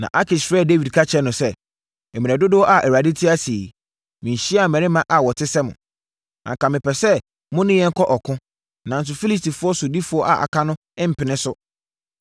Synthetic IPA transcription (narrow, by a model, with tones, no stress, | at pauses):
nã̰˨ʔa˦kʰɪ˨sfɾɛ˦˨de˦wi˨dkʰa˦t͡ɕʰɛ˦nʊ̃˨sɛ˦ | ɛ˨mĩ˨ɛ˨dʊ˦dɪ˦wɔ˦ʔa˨ʔɛ˨a˨dɪ˦tʰɪ˦a˦seː˨i˨ | mĩ˨ɲ̩˨ɕi˦a˨mɛ̃˨ɾɪ˦mã˦ʔa˨wɔ˨tʰɪ˦sɛ˦mʊ̰̃˨ | ã̰˨kã˨mɪ̃˨pɛ˨sɛ˦ | mʊ̃˦nɪ̃˦jɛ̃˦ŋ̩˦kʰɔ˦ʔɔ˨kʰʊ̃˦ | nã˨n̩˦s̬ʊ˨fi˦li˦s̬ti˨fʊ˦ɔ˦sʊ˨di˦fʊ˦ɔ˦ʔa˨ʔa̰˨kʰa˦nʊ̃˦ | ɪ̃˦m̩˨pʰɪ˨nɪ̃˦sʊ˦